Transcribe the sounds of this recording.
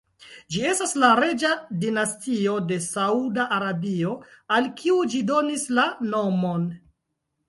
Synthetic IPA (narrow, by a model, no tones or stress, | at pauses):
d͡ʒie̞staslaɾe̞d͡ʒadinastio̞de̞saudaʔːɾabio̞alkʰiud͡ʒido̞nislano̞mo̞n